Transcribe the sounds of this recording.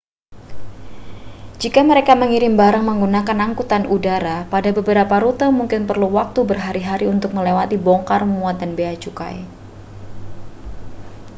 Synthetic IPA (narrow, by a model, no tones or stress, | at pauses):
d͡ʒikaməɾekaməŋiɾɪmbaɾaŋməŋɡunakanaŋkut̪anudaɾapadabəbəɾapaɾut̪əmuŋkɪnpərluwak̚t̪ubərɦaɾiɦaɾiunt̪ʊk̚məlewat̪ibɔŋkarmuat̪̚danbeat͡ʃuka̰j